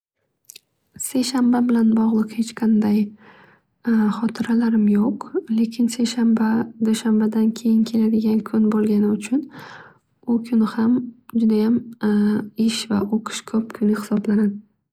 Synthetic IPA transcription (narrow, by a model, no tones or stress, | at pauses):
se̞jʃambabɪlanbɒʁlˠɨqhe̞t͡ʃqʰɑnd̪aj | χɒt̪ʰɪɾalaɾɪmjoqle̞kʲʰɪnse̞jʃambad̪oʃambad̪ankʲʰe̞jɪnkʲʰe̞lad̪ɪɡʲankʲʰʊnbolˠɡʲanɪʊt͡ʃʰʊn | ʊkʲʰʊnɪhamd͡ʒʊd̪ajam | ɪʃvaʔoqʰɨ̥ʃkʰɵp̚kʲʰʊnɪhɪsɒblanad̪ɪ